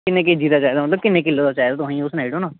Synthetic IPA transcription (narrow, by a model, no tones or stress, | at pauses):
kɪnːẽːk̬ed͡ʒiːd̪aːt͡ʃaːjd̪aːmət̪ləb̚kɪnːẽːkɪlːoːd̪aːt͡ʃaːjd̪aːt̪ʊɦĩːʊsnaːiʈoːnaː